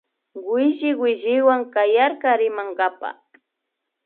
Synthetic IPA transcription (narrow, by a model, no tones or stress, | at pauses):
wwɪʒɪwɪʒɪwaŋkajaɾkaɾɪmaŋɢapa̰